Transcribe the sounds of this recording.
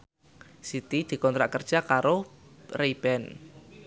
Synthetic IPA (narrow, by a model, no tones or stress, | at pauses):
sit̪id̪̥i̤kɔnt̪ɾaʔkərd̥ʒ̥a̤kaɾoreb̥ɛn